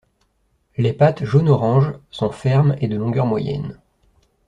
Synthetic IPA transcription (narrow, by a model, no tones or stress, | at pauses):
lepat̪ʒonɔʁɑ̃ʒsɔ̃fɛʁmed̪əlɔ̃ɡʲœʁmwajɛ̰n